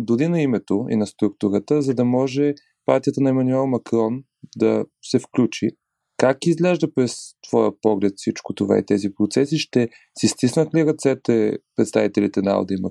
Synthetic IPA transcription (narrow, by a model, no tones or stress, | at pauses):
d̪ʊd̪inɐimɛt̪oḭnɐst̪ɾukt̪uɾət̪əzɐd̪ɐmɔʒɛ | pa̰ɾt̪ʲijət̪ənɐɛmɐnuɛlˠmɐkɾɔn | d̪ɐsɛfklʲut͡ʃi | kakizɡlɛʒd̪əpɾɛst̪v̥ɔjəpɔɡlɛt̪fsit͡ʃkot̪ova̰ḭt̪ɛzipɾot̪sɛsiʃt̪ɛ | sist̪isnət̪liɾɐt̪sɛt̪ɛpɾɛt̪st̪avit̪ɛlit̪ɛnaa̰lˠd̪imɐ